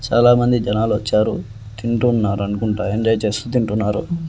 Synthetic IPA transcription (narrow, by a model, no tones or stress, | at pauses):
t͡ʃaːlaːmɐnd̪id͡ʒɐnaːluʋɐt͡ʃːaːɾṵ | t̪iɳʈunːaːɾuɐnukuɳʈaːjeɳd͡ʒɐjt͡ʃe̞ːst̪ut̪̬iɳʈunːaːɾṵ